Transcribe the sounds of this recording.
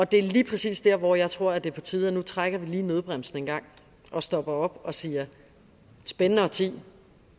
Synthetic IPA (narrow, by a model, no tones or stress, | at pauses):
ɒ̽d̥e̝æɐliːpʰʁɛsḭːsd̥æɐ̰ʋɒjɑ̈ɪt͡sʰʁo̝ɐ̰æd̥e̝pʰɒ̽t͡sʰiːðˠɐnut͡sʰʁaɡ̥ɐʋiliːnøð̞ˠb̥ʁam̰sn̩e̝nɡ̥ɑ̈ŋ̰ | ɒ̽sd̥ɒ̽b̥ɐɒ̽b̥ɒ̽siːɐ | sb̥enənəɒ̽t͡sʰḭː